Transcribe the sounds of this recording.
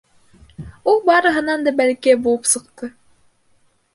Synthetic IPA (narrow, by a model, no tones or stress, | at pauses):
ulˠbɑɾɤ̆ɦɤ̆nɑnd̪ɑbælkijæbulˠɤpsɤ̆qt̪ɤ